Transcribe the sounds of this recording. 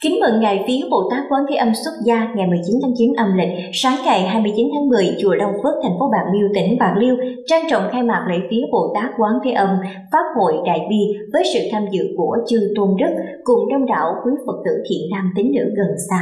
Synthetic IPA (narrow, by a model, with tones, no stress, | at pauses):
kï˨˦ŋ̟mə̰˧˨ŋŋa̰ː˧˨jfi˨˦əɓo̰˧˨t̪aː˦˥k̚kwaː˨˦nt̪ʰe˨˦ʔə˧mswə˦˥t̚zaː˧ŋa˨˩jmɨ˨˩əjt͡ɕi˨˦nt̪ʰaː˨˦ŋt͡ɕi˨˦nʔə˧mlï˨˩k̟̚saː˨˦ŋɣa˨˩jɦaː˧jmɨ˧əjt͡ɕi˨˦nt̪ʰaː˨˦ŋmɨ˨˩əjt͡ɕu˨˩əɗə˨˧˩wŋ͡mfɨ˦˥ək̚t̪ʰɛ˨˩ŋ̟fo˨˦ɓaː˨˩ŋli˧əwt̪ï˧˩˦ŋ̟ɓaː˨˩ŋli˧əwt͡ɕaː˧ŋt͡ɕɔ̰˧˨wŋ͡mxaː˧jmaː˨˩k̚lḛ˧˨jfi˨˦əɓo̰˧˨t̪aː˦˥k̚kwaː˨˦ŋt̪ʰe˨˦ʔə˧m | faː˦˥p̚ho̰˧˨jɗa̰ː˧˨jvi˧vəː˨˦jsɨ̰˧˨t̪ʰaː˧mzɨ̰˧˨ku˧˩ət͡ɕɨ˧t̪o˧nɗɨ˦˥k̚kʊ˧˩ŋ͡mɗə˧wŋ͡mɗa̰ː˧˨wkwi˨˦fə˨˩k̚t̪ɨ̰˧˩t̪ʰḭ˧˩˨ənnaː˧mt̪i˨˦ŋ̟nɨ̰˧˥ɣə˨˩nsaː˧